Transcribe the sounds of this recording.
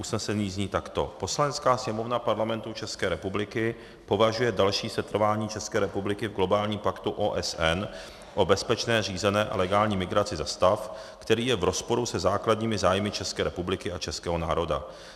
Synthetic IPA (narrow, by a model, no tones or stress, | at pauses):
ʔusnɛsɛniːzɲiːt̪akt̪o̞̰po̞slanɛt͡skaːsɲɛmo̞vnapaɾlamɛnt̪ut͡ʃɛskɛːɾɛpublɪkɪ | po̞vaʒujɛdalʃiːsɛt̪r̩vaːɲiːt͡ʃɛskɛːɾɛpublɪkɪvɡlo̞baːlɲiːmpakt̪uʔoːʔɛsʔɛn | ʔo̞bɛspɛt͡ʃnɛːr̝iːzɛnɛːʔa̰lɛɡaːlɲiːmɪɡɾat͡sɪzast̪af | kt̪ɛɾiːjɛvɾo̞spo̞ɾusɛzaːkladɲiːmɪzaːjmɪt͡ʃɛskɛːɾɛpublɪkɪat͡ʃɛskɛːɦo̞na̰ːɾo̞da̰